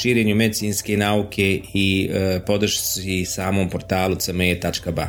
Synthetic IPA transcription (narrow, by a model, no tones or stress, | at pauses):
ʃiːɾeɲume̞d̪it̪siːnske̞naːukʲʰe̞ipo̞d̪r̩ʃsisaːmo̞ːmpo̞ɾt̪aːlut̪səmet̪at͡ʃkaba̰